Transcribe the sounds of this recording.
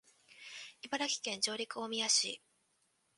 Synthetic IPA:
ibaɾakʲi̥kẽ̞ɲ̟d͡ʑo̞ːɾʲikɯ̟o̞mʲijaɕḭː

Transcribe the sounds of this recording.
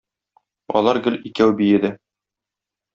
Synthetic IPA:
ɒ̰lˠɑɾɡɘ̆likæwbijɘ̆d̪ɘ

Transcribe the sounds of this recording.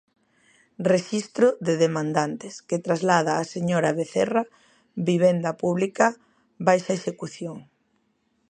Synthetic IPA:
reʃist̪ɾʊðeðemãnd̪ant̪ɪsket̪ɾazlað̞aːseɲoɾaβeθɛra | βiβ̞ɛnd̪ɐpuβlikɐ | βajʃaeʃekuθjoŋ

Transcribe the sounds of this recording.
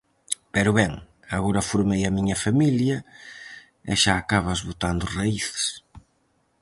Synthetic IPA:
pɛɾʊβɛŋ | aɣoɾɐfuɾmejɐmiɲɐfamiljɐ | ɪʃaːkaβ̞ɐzβot̪and̪ʊraiθs

